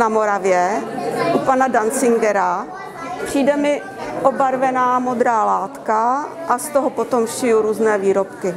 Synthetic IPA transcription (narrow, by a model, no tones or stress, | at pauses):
namoɾavjɛʔupanadant͡sɪŋɡɛɾa | pr̝̥iːdɛmɪ | ʔobaɾvɛnaːmo̞d̪ɾaːlaːt̪kaʔast̪oɦopo̞t̪omfʃɪjuɾuːznɛːviːɾopkɪ